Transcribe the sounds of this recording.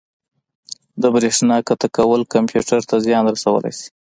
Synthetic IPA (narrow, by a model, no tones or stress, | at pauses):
d̪əbɾeʂnɑkat̪akawəlkampjuʈaɾt̪azjɑnɾasawə̰la̰jsi̥